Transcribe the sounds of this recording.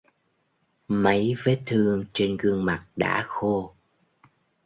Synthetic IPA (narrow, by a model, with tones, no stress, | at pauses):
mə˨˦jve˦˥t̪ʰɨ˧əŋt͡ɕe˧nɣɨ˧əŋma˨˩k̚ɗa̰ː˧˥xo˧